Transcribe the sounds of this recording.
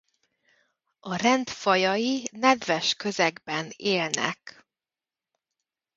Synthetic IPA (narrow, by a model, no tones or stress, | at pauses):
ɒrɛnt̪fɒjɒjinɛd̪vɛʃkø̞zɛɡbɛneːlnɛ̰k